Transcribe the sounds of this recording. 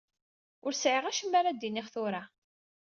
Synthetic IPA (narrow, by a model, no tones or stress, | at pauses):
ʊɾsʕiʁæʃəmːaɾad̪iniχθʊɾa